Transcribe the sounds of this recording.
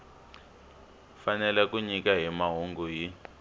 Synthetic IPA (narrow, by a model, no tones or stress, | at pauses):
fanɛlɛk̬uɲik̬aɦimaɦuŋɡuji